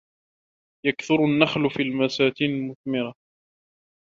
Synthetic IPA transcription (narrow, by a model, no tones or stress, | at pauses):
jakθʊɾanːaxlfiːlmasaːk̪iːnlmʊθmɪɾa